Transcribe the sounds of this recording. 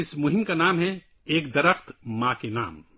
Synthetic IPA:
ɪsmʊɦɪmkanaːmɦɛ | eːkd̪ɐɾəxt̪mãːkena̰ːm

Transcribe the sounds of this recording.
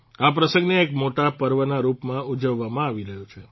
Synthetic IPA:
apɾəsə̃ŋɡneːkmoʈapəɾʋənaɾupmãud͡ʒəʋːamãaʋiɾəɦjũt͡ʃʰe

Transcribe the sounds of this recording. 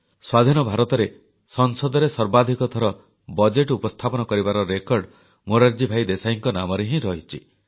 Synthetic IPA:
swad̪ʱinɔbʱaɾɔt̪ɔɾe | sɔnsɔd̪ɔɾesɔɾbad̪ʱikɔt̪ʰɔɾɔ | bɔd͡ʒeʈupɔst̪ʰapɔnɔkɔɾibaɾɔɾekɔɾɖ | moɾaɾd͡ʒibʱajd̪esaiŋkɔnamɔɾeɦĩɾɔɦit͡ʃʰi

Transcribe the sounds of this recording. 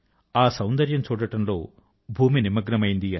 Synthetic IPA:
aːsɐwnd̪ɐɾjɐmt͡ʃuːɽɐʈɐmlo̞̰ː | bʱuːminimɐɡɾɐmɐjind̪i

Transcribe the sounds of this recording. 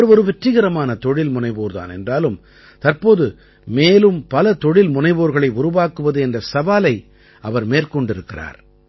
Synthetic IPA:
ɾɔɾɯʋɛʈrɪɣɐɾɐmaːnɐt̪ɔɽɪlmʊnɐɪʋoːɾða̰ːnɛ̰ndraːlɯm | t̪ɐrpoːðɯ | meːlɯmpɐlɐt̪ɔɽɪlmʊnɐɪʋoːɾɣɐɭɐɪʊɾʊʋaːkɯʋɐðɯɛndrɐsɐʋaːlɐɪ | ɐʋɐɾmeːrkɔɳɖɪɾɯkːɪra̰ːɾ

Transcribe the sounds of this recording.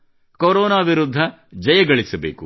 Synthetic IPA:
koɾoːnaːʋiɾud̪ʱːɐ | d͡ʒɐjɐɡɐɭisɐbeːku

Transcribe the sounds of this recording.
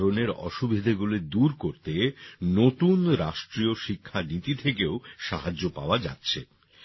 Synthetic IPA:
ɾoneɾɔ̰ʃubʱid̪ʱeɡuled̪uɾkoɾt̪enot̪unɾaʃʈɾioʃikʰːanit̪it̪ʰekeoʃa̰ɦad͡ʑːopa̰oad͡ʑa̰tːɕʰe

